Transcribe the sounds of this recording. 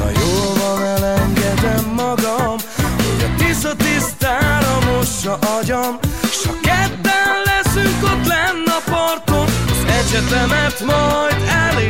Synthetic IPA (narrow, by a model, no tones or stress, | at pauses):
ɒ̰joːlvɒnɛlɛŋɡɛd̪ɛmːɒɡɒm | ho̞̰ɟɒt̪isɒt̪ist̪aːɾɒmoʃɒʔɒɟoneʃɒkɛd̪ːɛnlɛsyŋkot̪lɛnːɛɒpɒrt̪onɒzɛt͡ʃɛt̪ɛmɛt̪mɒjd̪ɛlː